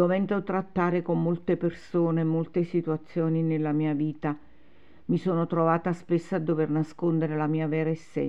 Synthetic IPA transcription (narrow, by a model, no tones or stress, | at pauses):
ovɛnd̪ot̪ɾat̪ːaːɾekomːolt̪epersoːnemolt̪esit̪uat̪sːjoːninelːamiːaviːt̪a | misoːnot̪ɾovaːt̪aspesːaad̪ːovernaskond̪eɾelamiːavɛːɾaesːɛ̰